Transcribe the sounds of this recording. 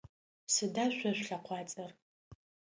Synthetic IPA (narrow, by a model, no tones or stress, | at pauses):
sɨdaʃʷaʃʷᶣɬaqʷʰɑt͡sʼɨr